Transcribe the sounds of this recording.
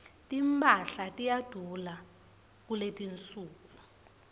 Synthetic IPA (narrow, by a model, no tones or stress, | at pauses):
tʼimpʰʼaɬatʼijad̥ʱula | k̬uletʼint͡sʼuːku